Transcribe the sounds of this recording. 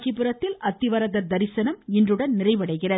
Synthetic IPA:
t͡ʃːɪpɯɾɐt̪ːɪlʔɐt̪ːɪʋɐɾɐðɐɾd̪ɐɾɪsɐnɐmɪndrɯɽɐnnɪrɐɪʋɐɽɐɪɣɪrɐ

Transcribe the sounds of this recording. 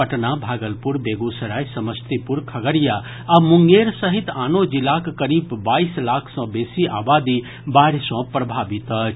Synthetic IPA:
əʈnabʱaːɡəlpuɾbeɡosəɾaːjsɐməst̪ipuɾkʰɐɡəɾja | amuŋɡeːɾsəɦit̪aːnod͡ʒilakːəɾiːbːaːislaːkʰsɔ̃beːsiʔa̰ːbaːd̪i | baːɾsɔ̃pɾɐbʱaːbit̪ət͡ʃ

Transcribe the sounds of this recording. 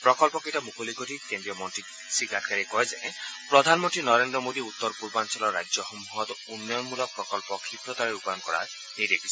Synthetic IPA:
pɾɔkɔlpɔketamukʰolikotʰikendiɔmɔnʈi | sikatʰkaɾikɔezɛpɾɔd̪ʱanmɔnʈɹinɔɾendɾɔmod̪iut̪ːɔɾpuɾbansɔlɔːajd͡ʒɔxɔmuɦɔt̪unːɔjɔnmulɔk̚pɾɔkɔlpɔkʰipɾɔt̪aɾɛupajɔnkɔɹa̰ | niɾekʰi̥sʰɔ

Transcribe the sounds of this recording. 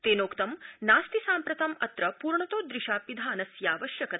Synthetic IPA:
t̪eːnoːkt̪ɐmnaːst̪isaːmpɾɐt̪ɐmɐt̪ɾɐpuːɾɳɐt̪oːd̪ɾiʃaːpid̪ʱaːnɐsjaːʋɐʃjɐkɐt̪

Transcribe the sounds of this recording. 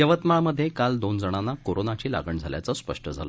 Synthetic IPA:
jəʋət̪maməd̪ʱːjekald̪ond͡zəɽ̃anːakoɾonat͡ɕiːla̰ɡəɳd͡zʱaljat͡səspə̰ʂʈəd͡zʱa̰lə̰

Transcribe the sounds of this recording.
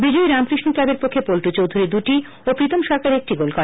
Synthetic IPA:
bid͡ʑoiɾamkɾiʃnoklabeɾpokʰːepolʈut͡ɕowd̪ʱuɾid̪uʈi | opɾit̪ʰomʃɔɾkaɾek̚ʈiɡolkɔ

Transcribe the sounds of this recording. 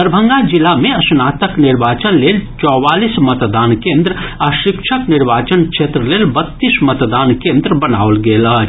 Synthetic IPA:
əɾbʱə̃ŋɡad͡ʒɪlamẽɐsnaːt̪əknɪɾbaːt͡ʃənleːlt͡ʃɔːwaːliːsmət̪d̪aːnkẽːnd̪ɾəɐʃɪkʃʰəknɪɾbaːt͡ʃənkʃʰeːt̪ɾəleːlbət̪ːiːsmət̪d̪aːnkẽːnd̪ɾəbɐna̰ːolɡeːlaɦ

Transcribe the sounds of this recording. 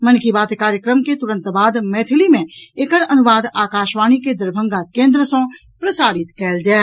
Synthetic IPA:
mənkibaːt̪kaːɾjəkɾəmket̪ʊɾə̃nt̪baːd̪meːt̪ʰɪlimẽekəɾɐnʊʋaːd̪aːkaːʃʋaːniked̪ɐɾbʱə̃ŋɡakẽːnd̪ɾəsõ | pɾəsaːɾɪt̪kɛːld͡ʒaː

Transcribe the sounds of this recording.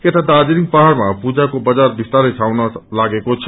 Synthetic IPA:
keʈad̪ad͡ʒiɾiŋɡ̚paɦaɾmapud͡ʒakobəd͡ʒaɾbist̪aɾesʰawnʌlaɡekot͡ʃʰ

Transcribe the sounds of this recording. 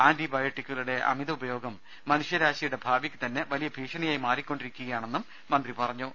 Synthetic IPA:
aːnd̪ibaːjɐʈːikʲːɐluɽe̞ʔɐ̰miðɐubɐjo̞ːɡɐmː | ɐnuʂjɐɾaːɕiɐjuɽe̞bʱaːbikʲːɨ̥t̪ɐnːe̞ʋɐlijɐbʱiːʂɐnɐjaːjimaːɾikʲːoɳɖiɾikʲːuɣɐjaːɳe̞nːumːɐnd̪ripɐrɐɲːu

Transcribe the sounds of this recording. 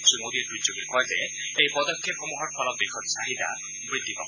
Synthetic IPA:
simod̪iɛtɹitzoɡikɔɹjzɛ̰ | ejpɔd̪ɔkʰːjep̚xɔmuɦɔɹpʰɔlɔt̚d̪exʰɔtsaɦid̪a̰ | bɹit̪ːit̪ɔ̰

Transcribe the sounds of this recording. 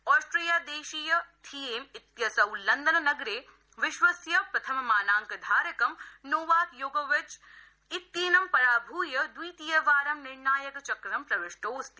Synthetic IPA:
ɔːsʈɾijaːd̪eːʃiːjɐt̪ʰieːmɪt̪jɐsɐwlɐnd̪ɐnɐnɐɡɾeː | ʋɪʃʋɐsjɐpɾɐt̪ʰɐmɐmaːnaːŋkɐd̪ʱaːɾɐkɐmnoːʋaːt̪joːɡɐʋɪt͡ʃ | ɪt̪jiːnɐmpɐɾaːbʱuːjɐd̪ujt̪ijɐʋaːɾɐmnɪɾnaːjɐkt͡ʃɐkɾɐmpɾɐʋɪʂʈoːst̪i̥

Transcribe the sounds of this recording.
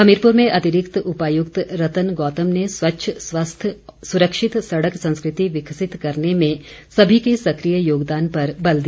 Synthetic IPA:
ɐmiɾpʊɾmẽʔɐt̪ɪɾɪkt̪ʊpaːjʊkt̪ɾɐt̪ənɡɔːt̪əmneswɐtːʃʰəswɐst̪ʰsʊɾəkʃɪt̪sɐɽəksɐ̃nskɾɪt̪iʋɪkʰsɪt̪kɐɾnemẽsɐbʱikesɐkɾijəjoːɡd̪aːnpɐɾbɐld̪iː

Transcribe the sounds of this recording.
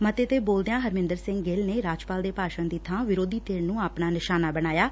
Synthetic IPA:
mət̪eːt̪eːboːld̪ejãːɦəɾmɪ̃nd̪əɾsɪ̃ŋɡɡeːlneːɾaːd͡ʒpaːld̪eːpaːʃənd̪iːt̪ʰãːʋɪɾoːd̪iːt̪eːɾnũːaːpɳaːnɪʃaːnaːbəɽ̃aːjaː

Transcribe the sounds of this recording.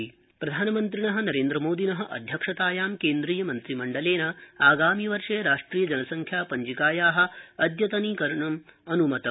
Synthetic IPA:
pɾɐd̪ʱaːnɐmɐnt̪̬ɾinɐɦɐ̆nɐɾeːnd̪ɾɐmoːd̪inɐɦɐ̆ʔɐ̰d̪ʱjɐkʂɐt̪aːjaːmkeːnd̪ɾiːjɐmɐnt̪ɾimɐɳɖɐleːnɐaːɡaːmiʋɐɾʂeːɾaːʂʈɾiːjɐd͡ʒɐnɐsɐŋkʰjaːpɐɲd͡ʒikaːjaːɦɐ̆ɐd̪jɐt̪ɐnikɐɾɐɳɐmɐnumɐt̪ɐ

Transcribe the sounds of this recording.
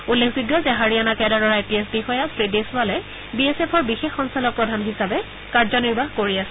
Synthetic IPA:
ulːekʰziɡjɔzɛɦaɹianakɛdadɔɹaetiesbixɔjasɹideswalɛ | biɛsepʰɔɹbixexːɔnsalɔk̚pɹɔdʱanɦisabɛ | kaɹzɔniɹbʱaɦkoɹiasɛ

